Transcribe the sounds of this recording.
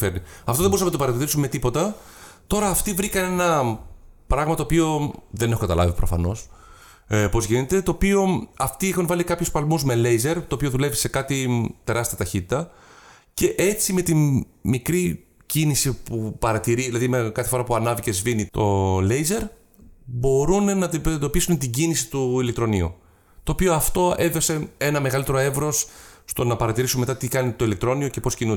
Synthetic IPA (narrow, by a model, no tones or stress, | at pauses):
feɾniɐft̪oðe̞boɾsɐmɐt̪opɐɾɐt̪iɾiɾisumme̞t̪ipo̞t̪ɐt̪o̞ɾɐːft̪ivɾikɐne̞nɐ | pɾɐɣmɐt̪oːpio̞ðe̞ne̞xokɐt̪ɐ̰lɐ̰vipɾofɐ̰no̞s | po̞zʝine̞t̪e̞t̪o̞ːpio̞ɐft̪iixɐnvɐlikɐpçospɐlmuzmele̞jze̞ɾt̪oːpio̞ðule̞vise̞kɐt̪it̪e̞ɾɐst̪iɐt̪ɐçit̪i̥t̪ɐ | ce̞ʔe̞t͡sime̞t̪in | mikɾi | cinisipupɐɾɐt̪iɾiilɐðimekɐθefo̞ɾɐpuɐnɐvice̞zvinit̪o̞le̞jze̞ɾ | bo̞ɾunenɐnd̪o̞pisunet̪iɟinisi̥t̪uilekt̪ɾo̞nḭṵ | t̪o̞ːpio̞ɐft̪o̞e̞vo̞se̞e̞nɐme̞ɣɐlit̪eɾoe̞vɾo̞sst̪o̞nɐpɐɾɐt̪iɾisunme̞t̪ɐt̪ikɐnit̪o̞ilekt̪ɾo̞nio̞ce̞po̞scinu